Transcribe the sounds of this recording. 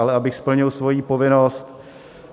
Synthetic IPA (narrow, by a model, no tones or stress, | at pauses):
alɛabɪxspl̩ɲɪlsvo̞jiːpo̞vɪnost̪